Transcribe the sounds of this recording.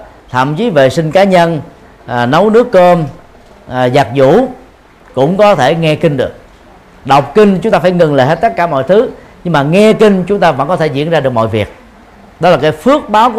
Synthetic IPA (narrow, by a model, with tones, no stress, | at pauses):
t̪ʰə̰˧˨mt͡ɕi˨˦vḛ˧˨sï˧ŋ̟kaː˨˦ɲə˧n˨˩ | nə˨˦wnɨ˦˥əkːo˧n˨˩ | za˨˩k̚zṵ˧˥ | kʊ̰˧˥ŋ͡mkɔ˨˦t̪ʰe˧˩ŋɛ˧kï˧ŋ̟ɗɨ˨˩ək̚ | ɗə˨˩wk͡p̚kï˧ŋ̟t͡ɕʊ˦ŋ͡mt̪aː˧fːjŋə˨˩ŋlə̰ː˧˨˩he˦˥t̚t̪ə˦˥t̚kaː˧˩mɔ̰˧˨jt̪ʰɨ˨˦ | ɲɨ˧ŋmaː˨˩ŋɛ˧kï˧ŋ̟t͡ɕʊ˨˦ŋ͡mt̪aː˧və̰˧˥ŋkɔ˨˦t̪ʰe˧˩zḭ˧˥ənzaː˧ɗɨ˨˩ək̚mɔ̰˧˨vi˨˩ək̚ | ɗɔ˨˦laː˨˩kaː˨˦jfɨ˦˥ək̚ɓaː˨˦wk